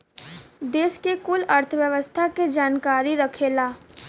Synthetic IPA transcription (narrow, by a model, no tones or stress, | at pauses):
d̪eːskekʊlɐɾt̪ʰʋjəʋəst̪ʰaked͡ʒaːnkaːɾiɾɐkʰeːlaː